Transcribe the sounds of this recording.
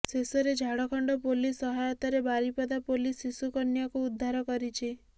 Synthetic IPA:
sesɔɾed͡ʒʱaɽɔkʰɔɳɖɔpolisɔɦajɔt̪aɾebaɾipɔd̪apolisisukɔnjakuud̪ʱːaɾɔkɔɾit͡ʃʰi

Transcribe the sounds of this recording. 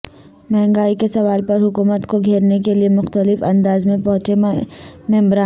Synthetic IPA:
mɛ̃ɦŋɡaːikesɐʋaːlpɐɾɦʊkuːmət̪koɡʱeːɾnekeliemʊxt̪əlɪfɐ̃nd̪aːzmẽpɐ̃ɦʊt͡ʃe | mɛ̃ːmbɾaː

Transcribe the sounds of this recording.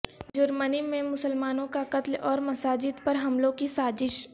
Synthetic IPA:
d͡ʒʊɾmənimẽmʊsəlmaːnõkaqɐt̪lɔːɾmɐsaːd͡ʒɪd̪pɐɾɦɐmlõkisaːzɪʃ

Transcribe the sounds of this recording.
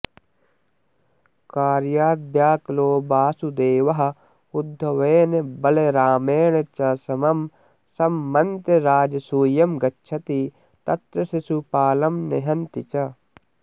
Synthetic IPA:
kaːɾjaːd̪̚bjaːkloːbaːsud̪eːʋɐɦɐ̆ | ud̪ʱːɐʋeːnebɐleɾaːmeːɳet͡ʃɐsɐmɐm | sɐmːɐnt̪eɾaːd͡ʒɐsuːjɐmɡɐtːt͡ʃʰɐt̪i | t̪ɐt̪ɾɐsisupaːlɐmneɦɐnt̪it͡ʃɐ

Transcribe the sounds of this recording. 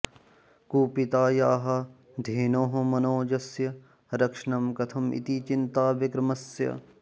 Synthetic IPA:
kuːpit̪aːjaːɦɐ | d̪ʱeːnoːɦɐmɐnoːd͡ʒɐsjɐ | ɾɐkʂɐɳɐmkɐt̪ʰɐmḭt̪it͡ʃint̪aːbɐkɾɐmɐsjɐ̰

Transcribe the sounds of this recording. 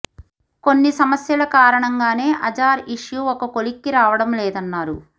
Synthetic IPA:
konːisɐmɐsjɐlɐkaːɾɐɳɐŋɡaːne̞ːʔɐd͡ʒaːɾiʂjuɔkɐko̞likːiɾaːʋɐɽɐmlɛːd̪ɐnːaːɾu

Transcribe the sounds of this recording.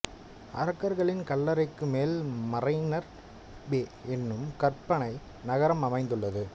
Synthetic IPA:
ɐ̰ɾɐkːɐɾɣɐɭɪnkɐlːɐɾɐɪkːɯmeːlmɐrɐɪnɐɾ | beːɛnːɯmkɐrpːɐnɐɪ | nɐɣɐɾɐmɐmɐɪnd̪ɯɭːɐðɯ

